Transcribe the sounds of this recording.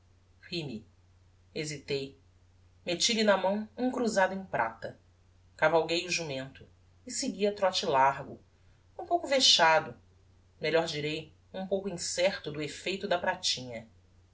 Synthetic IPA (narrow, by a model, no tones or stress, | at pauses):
himi | ezit̪ej | met͡ʃilinɐmɐ̃w̃ũkɾuzad̪ʊẽj̃pɾʔa̰t̪ɐ | kavawɡejuʒumẽnt̪ʊ | ɪsɪɡiɐt̪ɾɔt͡ʃilaɾɡʊ | ũpowkʊfeʃad̪ʊ | meʎɔɾd͡ʒiɾej | ũpowkʊĩsɛχt̪ʊd̪ʊefejt̪ʊd̪ɐpɾat͡ʃĩɲɐ